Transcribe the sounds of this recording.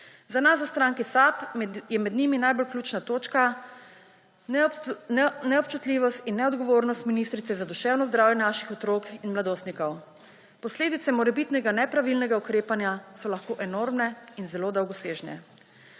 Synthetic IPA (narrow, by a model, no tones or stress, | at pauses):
zanas̬ɔwst̪ɾaŋkisapjɛmɛd̪niminajbolklʲuːt͡ʃnat̪oːt͡ʃka | nnɛɔp̚t͡ʃut̪liːʋɔst̪inːɛɔd̪ɡɔʋoːɾnɔst̪minist̪ɾit̪ɛzad̪uʃɛːwnɔzd̪ɾaːwjɛnaʃixɔt̪ɾoːkinmlad̪oːst̪nikɔw | pɔsleːd̪it̪sɛmɔɾɛbit̪nɛɡanɛpɾaʋilnɛɡaukɾeːpanjasɔlaxkoːʔɛnoːɾmnɛinzɛloːd̪ɐwɡɔseːʒnɛ̰